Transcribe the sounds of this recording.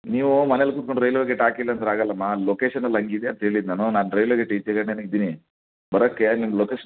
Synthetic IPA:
niːʋumɐnelkuːt̪̚koɳɖɾɐjloɡeʈaːkilːɐːnt̪ɐɾaːɡɐlːɐmːalokeːʃɐnɐlɐŋɡid̪eɐnt̪ɐɦeːɭid̪naːnunaːnuɾɐjloɡeʈiːt͡ʃeɡɐɳneːnuid̪ini | bɐɾokːenimːɐloːkeːʃ

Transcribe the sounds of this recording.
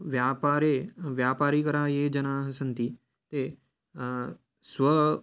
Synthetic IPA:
ʋjaːpaːɾeʋjaːpaːɾikəɾaːjed͡ʒɐnaːɦəsənt̪i | t̪e | sʋə

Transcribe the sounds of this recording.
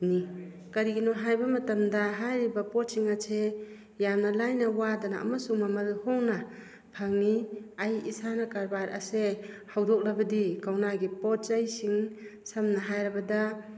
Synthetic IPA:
ni | kɐɾiɡinɔɦajbɐmɐtɐmdɐɦajɾibɐpɔt̚siŋasʰe | jamnɐlajnɐwadana̰ːmɐsuŋmamɐlhɔŋnɐ | pʰaŋniajḭsanɐkaɾbaɾʔɐ̰sehawdɔk̚lɐbɐdikawnaɡipɔt̚t͡ʃajsiŋsɐmnɐɦajɾɐbɐdɐ

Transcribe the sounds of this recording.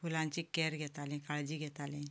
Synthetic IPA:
fulãɲt͡ɕikɛɾɡʱɛt̪alĩkaɭd͡ʑiɡʱɛt̪alĩ

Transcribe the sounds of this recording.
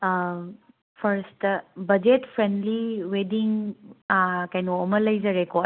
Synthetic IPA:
pʰɐɾstbɐd͡ʒetpʰɾendliwediŋ | kɐjnoomɐlɐjzɐɾeko

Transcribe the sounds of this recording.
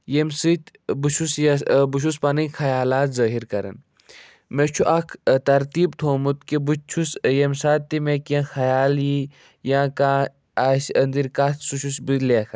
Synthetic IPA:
jemsit̪ | buʃusbuʃ̬uspɐnixʰɐjaːlaːt̪zɐːɦiɾkɐɾɐ̰n | met͡ʃʰuʔɐkʰt̪ɐɾt̪iːbt̪ʰoːmut̪kibut͡ʃʰusjemsaːt̪ːimekẽxɐjaːlji | jãːkaː | ɐsɐnd̪iɾkat̪suʃusbileːkʰɐ

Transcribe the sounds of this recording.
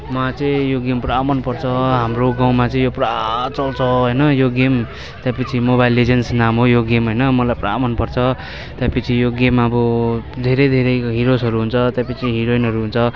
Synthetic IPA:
mat͡sʌĩjoɡempramʌnpʌrt͡sʰʌɦamroɡaw̃mat͡sʌ̃ĩjoprat͡sʌlt͡sʰʌɦʌjnʌjoɡem | t̪japʌt͡sʰimobajlːed͡zensnamɦojoɡemɦʌjnʌmʌlajpra̰mʌnpʌrt͡sʰʌ | t̪japʌt͡sʰijoɡemaʌbʌd̪ʱeɾʌjd̪ʱeɾʌjɦiɾosɦʌɾuɦunt͡sʰʌt̪japʌt͡sʰiɦiɾoinɦʌɾuɦunt͡sʰʌ

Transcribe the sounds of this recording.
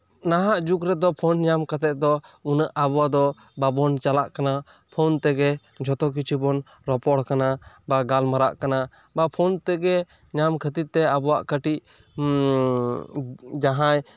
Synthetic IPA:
naɦaʔd͡ʒukɾɛd̪ɔpʰɔnɲamkʰət̪ɛʔ̚d̪ɔunəʔabɔwad̪ɔ | babɔnt͡ʃalaʔkana | pʰɔnt̪ɛɡɛ | d͡ʒʱɔt̪ɔk̬it͡ʃʰubɔn | ɾɔpɔɽkana | baɡalmaɾa̰ʔkana | bapʰɔnt̪ɛɡɛ | ɲamkʰət̪it̪̚t̪ɛabɔwa̰ʔkəʈiʔ | d͡ʒaɦãj

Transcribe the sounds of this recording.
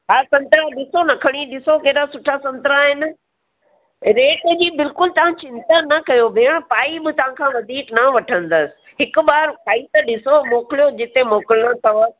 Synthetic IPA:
ɦaːsɐ̃nt̪ɾaɗɪsonɐkʰɐɽ̃iɗɪsokeːɗasʊʈʰasɐ̃nt̪ɾaɦɪn̆ | ɾeːʈd͡ʑiːbɪlkʊlt̪ɐʋ̤ãt͡ɕɪ̃nt̪anɐkɐjobʱeːɽ̃paːibɪt̪ɐʋ̤ãkʰãːʋɐd̪ʱiːknɐʋɐʈʰə̃nd̪əsɪ̥̆ɦɪkʊ̆ɓaːɾkaːit̪ɐɗɪsomoːklijod͡ʑɪt̪emoːkɪlõt̪ʰɐʋə

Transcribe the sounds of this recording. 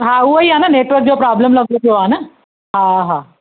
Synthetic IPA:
ɦaːuɐjaːnɐneːʈʋɐɾk̚d͡ʒoːpɾaːblɐmlɐɡuoːaːnɐ | ɦaːɦaː

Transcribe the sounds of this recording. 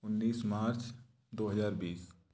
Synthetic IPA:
ʊnːiːsmaːɾt͡ʃ | d̪oːɦəzaːɾbiːs

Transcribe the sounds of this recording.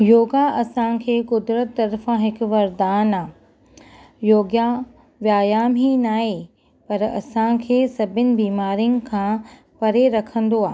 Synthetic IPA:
joːɡaʔɐsãkʰeːkʊd̪ɾət̪ːɐɾfãɦɪk̆ʋɐɾd̪aːnaː | joːɡja | ʋjaːjaːmɦinaːɦe | pɐɾɐ̰sãkʰeːsɐbʱɪnɪ̆biːmaːɾijʊnɪ̆kʰãː | pɐɾeɾɐkʰə̃nd̪oaːɦ

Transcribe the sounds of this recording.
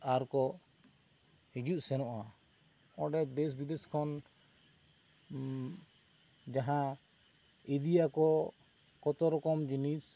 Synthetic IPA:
aɾkɔ | hid͡ʒuʔsɛnɔʔa | ɔ̃ɖɛbes̬bid̪ɛskʰɔn | d͡ʒaɦã | id̪iakɔ | kɔt̪ɔɾɔkɔmd͡ʒinis

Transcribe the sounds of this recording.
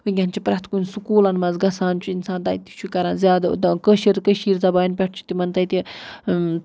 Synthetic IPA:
ʋɨɡʲɐnt͡ʃʰipɾɐt̪kunsukuːlɐnmɐzɡɐsaːnt͡ʃʰuinsãːnd̪ajit̪i̥t͡ʃʰukɐɾãːnzʲjaːd̪kəʃiɾ̚kəʃiːɾzɐbaːjnpʲɐʈʰt͡ʃʰi̥t̪imɐnt̪ɐjt̪i

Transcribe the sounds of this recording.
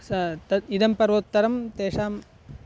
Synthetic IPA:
sɐt̪ɐid̪ɐmpɐɾʋɐt̪ːɐɾɐmt̪eːʂaːm

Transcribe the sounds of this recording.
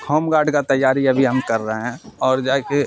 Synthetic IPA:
kʰɔːmɡaːɖkat̪ɐjːaːɾiɐbʱiɦɐmkɐɾːəɦeɦɛ̃ɔːɾd͡ʒaːke

